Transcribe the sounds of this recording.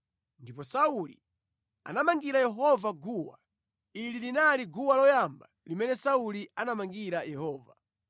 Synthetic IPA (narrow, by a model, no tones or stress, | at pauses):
ndipɔsaulḭ | a̰namaŋɡiɾajɛɦɔvaɡuwa̰ | ililinaliɡuwalɔjamba | limɛnɛsaulianamaŋɡiɾajɛhɔːva